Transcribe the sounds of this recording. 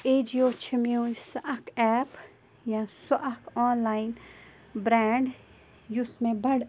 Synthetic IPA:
eːd͡ʒioːt͡ʃʰɐmjũːnsɐʔɐkɛːp | jãːsoʔɐkɔːnlaːin | bɾãːɳɖ | jusmẽbɐɽ

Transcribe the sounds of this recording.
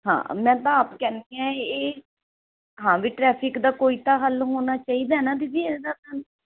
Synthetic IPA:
ɦã̰ːmɛ̃ːt̪ãaːpkɛːnkeɛ̃ːeː | ɦãːʋiːʈɾɛːpʰɪkd̪aːkoːiːt̪aːɦəlɦoːnaːt͡ʃaːiːd̪aːɦɛnaːd̪id̪iːɛed̪aːt̪an

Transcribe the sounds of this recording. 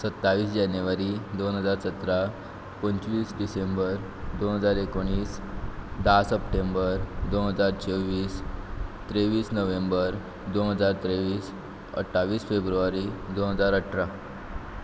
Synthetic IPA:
sət̪ːaʋiːsd͡ʑanjəʋaɾiːd̪onɦəd͡zaɾsət̪ɾa | pənt͡sʋiːsɖisembəɾ | d̪onɦəd͡zaɾekoɽ̃iːsd̪asəpʈembəɾd̪onɦəd͡zaɾt͡ɕʰeʋiːst̪ɾeʋiːsnəʋembəɾ | d̪onɦəd͡zaɾt̪ɾeʋiːs | ə̰ʈʰːaʋiːsfebɾuʋaɾiːd̪onɦəd͡zaɾəʈʰɾa

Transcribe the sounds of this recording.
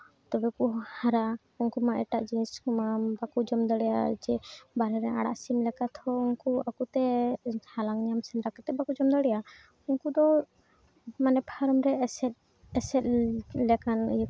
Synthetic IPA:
t̪ɔbɛkuhaɾa | ɔŋkumaʔɛʈaʔd͡ʒiniskɔmabakud͡ʒɔmd̪aɽɛja̰d͡ʒɛbaɾɛɾɛa̰ɽa̰ʔsimlɛkat̪hɔuŋkuakut̪ɛhalaŋɲamsɛnɾakat̪ɛbakud͡ʒɔmd̪aɽɛja | uŋkud̪ɔ | manɛpʰaɾɔmɾɛsɛt̪̚ | ɛsɛt̪̚lɛkan̰j

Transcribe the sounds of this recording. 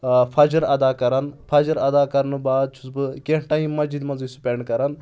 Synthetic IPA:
pʰɐd͡ʒɐɾɐd̪aːkɐɾɐnpʰɐːd͡ʒɐɾɐd̪aːkɐɾnɨbaːd̪̚t͡ʃʰusbɨkʲeɳʈaːĩmɐzid̪mɐnzisu̥pʲeɳɖkɐɾɐn

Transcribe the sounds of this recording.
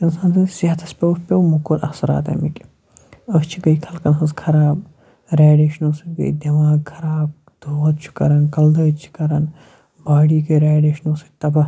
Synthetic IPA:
insaːnt̪ɐsiɦɐt̪ʰɐspʲepʲewmukuɾʔɐ̰sɐɾa̰ːt̪ɐ̰miki̥ | ɐst͡ʃʰiɡɐikʰɐlkɐnɦɐskʰɐɾaːb | ɾaːɖeːʃnoːsibḛːd̪ɐmaːɡ̚kʰɐɾaːb̚ | d̪ʱoːɐt̪̚t͡ʃʰi̥kɐɾɐnkɐld̪ɐːt͡ʃʰi̥kɐɾɐn | baːɽiːkeɾaːɖeːʃnoːsit̪ɐbɐ

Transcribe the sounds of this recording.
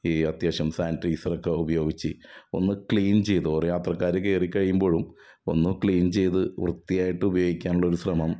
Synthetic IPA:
iːɐt̪jaːɕɐmsaːnʈriːsɐrokːeubɐjo̞ːɡit͡ɕːɨo̞̰nːɨkɭiːnt͡ɕe̞jt̪ɨoːrjaːt̪rɐkːaːɾeke̞ːrikːɐɻijumbo̞ːɻum | o̞̰nːɨkɭiːnt͡ɕe̞jt̪ɨʋrɨt̪ːijaːjiʈːɨubɐjo̞ːɡikʲːaːnuɭːɐo̞ɾusrɐmɐm

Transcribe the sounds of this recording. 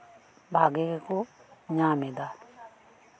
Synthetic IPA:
bʱaɡekekuɲamed̪a

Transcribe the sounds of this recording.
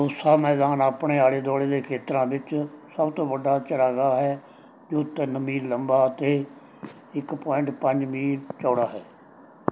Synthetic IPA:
ʊsaːmɛːd̪aːnaːpɳeːaːɽeːd̪ɔːɽeːd̪eːkʰeːt̪ɾãːbɪt͡ʃsəbt̪õːʋəɖaːt͡ʃəɽaːɡaːɦɛː | d͡ʒoːt̪ɪnmiːləmbaːt̪eː | ɪkpɔːɪ̃ɳʈpəɲd͡ʒmiːt͡ʃɔːɽaːɦɛː

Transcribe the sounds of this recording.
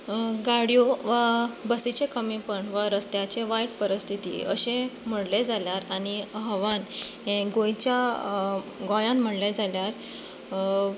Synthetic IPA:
ɡaɽijoʋabəsit͡ɕekəmipəɳʋaɾəst̪jat͡ɕeʋajʈpəɾist̪ʰit̪ḭəɕem̤əɽled͡zaljaɾañiɦəʋanɦẽɡõjt͡ɕja | ɡɔ̃jãnm̤əɽled͡zʱaljaɾ

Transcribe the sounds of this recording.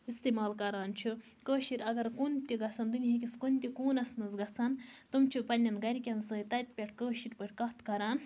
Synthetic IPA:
ist̪imaːlkɐɾaːnt͡ʃʰi | kəːʃiɾʲɐɡɐɾkunt̪iɡɐsʰɐnd̪unʲiɦik̬ʲiskonʲt̪ʲikuːnɐsnɨzɡɐt͡sʰɐnt̪ɨmt͡ʃʰipɐnʲːɐnɡɐɾʲikʲɐnsɨːit̪ɐt̪̚ʲpʲeʈʰkəːʃiɾʲpəʈʰʲkɐht̪kɐɾaːn

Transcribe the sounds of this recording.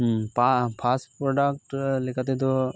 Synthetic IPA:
papʰasʈpɾoɖak̚ʈlɪkat̪et̪o

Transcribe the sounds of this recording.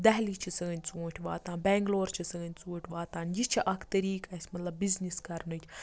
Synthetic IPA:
d̪ɐɦlit͡ʃʰisɐɡɐnʲt͡suːʈʲʰʋaːt̪ãːnbɛːŋɡloːɾt͡ʃʰisɐɡɐnʲt͡suːʈʰʲʋaːt̪aːnjit͡ʃʰiʔɐkʰt̪ɐɾiːkɐsʲmɐt̪lɐbːizniskɐɾnɨt͡ʃʰ

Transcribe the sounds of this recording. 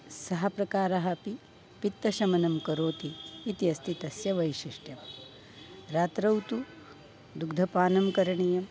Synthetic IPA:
sɐɦɐpɾɐkaːɾɐɦɐpi | pit̪ːɐʃɐmɐnɐmkɐɾoːt̪iːt̪iɐst̪ʰit̪ɐsjɐʋɐjʃiʂʈjɐm | ɾaːt̪ɾɐwt̪u | d̪uɡd̪ʱɐpaːnɐmkɐɾɐɳijɐm

